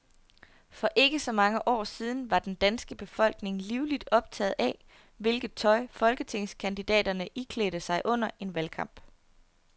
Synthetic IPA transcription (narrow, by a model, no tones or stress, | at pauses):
fɒ̽ʔe̝ɡ̥əsɒ̽mɑ̈ŋəʔɒ̰ːsiːð̞ˠn̩ʋɑ̈d̥end̥ænsɡ̥əb̥e̝fɒ̽l̰ɡ̥ne̝ŋliʊlid̥ɒ̽b̥̚t͡sʰɛ̰ːð̩ˠʔɛ | ʋe̝lɡ̥ð̩ˠt͡sʰɒ̽ɪfɒ̽lɡ̥ət͡sʰe̝ŋskʰænd̥id̥ɛ̰ːdɐnəʔikʰle̝ɾ̥əsɑ̈ɪʔɔ̽n̰ɐʔe̝nʋælkʰɑ̈m̰b̥